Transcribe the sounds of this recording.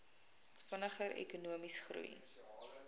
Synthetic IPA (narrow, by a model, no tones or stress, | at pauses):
fənəχəɾʔɛ̰kunuəmisχrṵj